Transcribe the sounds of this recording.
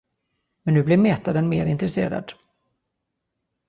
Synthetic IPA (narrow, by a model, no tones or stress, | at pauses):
mɛnːʉ̟ːblɪɾmeːt̪ad̪ənmeːɾɪnt̪ɾɛsḛːɾa̰d̪̥